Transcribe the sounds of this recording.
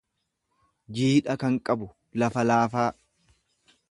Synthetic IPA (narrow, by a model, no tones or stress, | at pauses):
d͡ʒiːᶑɐkɐŋkʼɐbʊ | lɐfɐlaːfaː